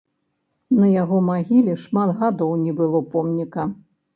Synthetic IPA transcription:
nɐjaɣɔmaɣʲilʲiʂmat̪ɣad̪ɔwnʲɛbɨlˠɔpɔmnʲikɐ

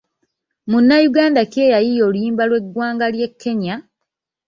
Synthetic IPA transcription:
munːajuɡaːndake̞ːjajijo̞ːlujiːmbalwe̞ɡwaːŋɡalje̞kʰːe̞ɲa

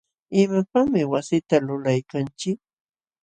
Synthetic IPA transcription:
ɪmapamɪwasɪt̪alʊlajkant͡ʃɪk̚

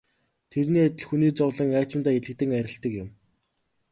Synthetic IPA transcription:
t̪ʰeɾniːat̪ʲɪ̆ɮxuniːt͡sɔwɮə̆ŋæːt͡ɕɪ̆mnt̪aːeɮɘ̆k̚t̪ɘ̆ŋæɾʲɪ̆ɬt̪ə̆kjɪ̆m

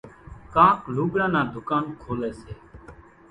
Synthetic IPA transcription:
kaːkluːɡɽãːnaːd̪ʱʊkaːnkʰoːlɛːseː

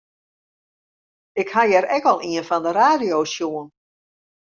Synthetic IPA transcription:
ɪkhajɛɾɛkɔlˠʔiənfɔndəɾaːdijoːsjuən

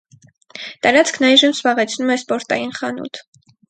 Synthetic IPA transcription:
t̪ɑɾɑt͡skʰnɑjʒəmz̥bɑʁɛt͡sʰnumɛspɔɾt̪ɑ̰jinχɑnṵt̪ʰ

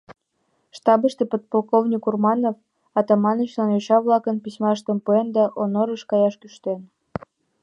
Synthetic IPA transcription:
ʃt̪ɑbəʃt̪epot̪̚polˠkovnʲikurmɑnof | ɑt̪ɑmɑnət͡ɕlɑnjoɕɑβlˠɑkə̆npisʲmɑəʃt̪ə̆mpuend̪ɑʔonoɾəʃkɑjɑʃkyʃt̪en

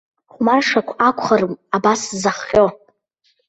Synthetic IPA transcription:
χʷmarʂakʷʰakʷʰʼχarɨmabaszaχqʲʼo

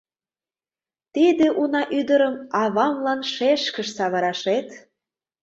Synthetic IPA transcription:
t̪id̪eʔunɑʔyd̪əɾəmɑβɑmlɑnʃeʃkə̆ʃsɑβɤ̆ɾɑʃet̪

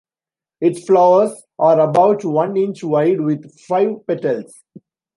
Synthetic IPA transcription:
ɪʈflaʊəɾs | ʔaːɾəbaʊʈʋʌ̃nɪ̃nt͡ʃʋaɪɖʋɪd̪faɪʋpɛʈəls

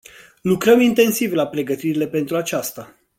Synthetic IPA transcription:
lukɾəmint̪e̞nsivlapɾe̞ɡət̪iɾile̞pe̞nt̪ɾuat͡ʃast̪a

